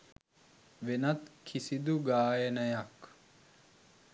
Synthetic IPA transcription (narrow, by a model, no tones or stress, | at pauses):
ʋenɐt̪kʰisid̪uɡaːjɐnɐjɐk